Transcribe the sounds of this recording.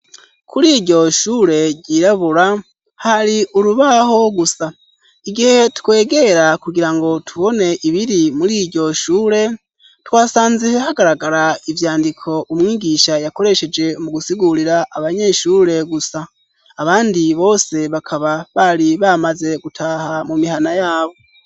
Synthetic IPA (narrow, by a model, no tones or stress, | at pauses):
kʰuɾiːɾɟo̞ʃuːɾe̞ɟiːɾaβuɾa | haɾiuɾuβaho̞ɡusa | iɡihe̞tukwe̞ːɡe̞ɾakuɡiɾaŋɡo̞tʰuβo̞ne̞ʔiβiɾimuɾiːɾɟo̞ʃuːɾe̞ | twaːsaːnzihehaɡaɾaɡaɾaivjaːndikʰo̞ʔumŋiːɡiʃajako̞ɾe̞ʃe̞d͡ʒe̞muɡusiɡuɾiɾaʔaβaɲe̞ʃuːɾe̞ɡusaː | βaːndiβo̞ːse̞βakʰaβaβaɾiβamaze̞ɡutʰahamumihanajaːβo̞